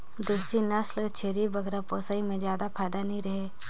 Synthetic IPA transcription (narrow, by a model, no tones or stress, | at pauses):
d̪eːsinɐslt͡ʃʰeːɾibɐɡɾapoːsaimẽzjaːd̪apʰaːɪd̪anɐɦĩɾɐɦeː